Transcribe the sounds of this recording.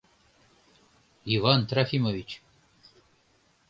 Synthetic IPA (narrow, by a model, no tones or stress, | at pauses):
ivant̪ɾafimovʲit͡ɕ